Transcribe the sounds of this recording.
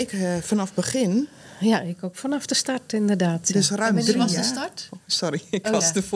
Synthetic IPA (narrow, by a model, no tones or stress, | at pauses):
ɪkfanafbəχɪn | jaɪkokfanafdəstartɪndərdaːtdɪsrœɥmriɔsəstatsoɾiɪkɔsdəf